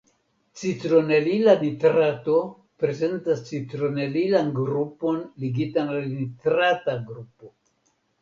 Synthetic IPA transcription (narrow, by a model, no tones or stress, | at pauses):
t͡sitɾo̞nelilanitɾato | pɾe̞ze̞ntast͡sitɾo̞ne̞lilanɡɾupo̞nliɡitanalnitɾataɡɾupo̞